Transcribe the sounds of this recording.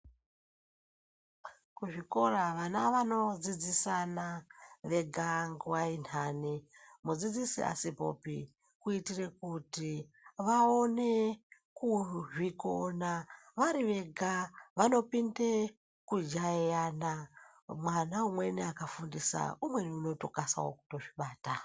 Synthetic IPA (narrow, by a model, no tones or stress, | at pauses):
kuʐiko̞raʋanaʋano̞d͡zid͡zisanaʋe̞ɡʱaŋɡwainaːnimud͡zid͡zisḭʔa̰sipo̰pḭ | kuitire̞kuti | ʋaone | kuʐikonaʋaɾiʋe̞ɡʱaʋano̞pinde | kud͡ʒaijana | mwanaumwe̞niakafundisa̰umwe̞niuno̞tokasa̰wo̰ku̥to̞ʐiɓaːta